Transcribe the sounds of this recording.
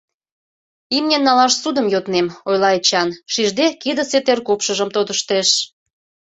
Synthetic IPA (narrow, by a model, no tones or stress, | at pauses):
imnʲenːɑlɑʃsud̪əmjot̪nemojlɑet͡ɕɑnʃiʒd̪ekid̪ə̆set̪erkopʃəʒəmt̪od̪əʃt̪eʃ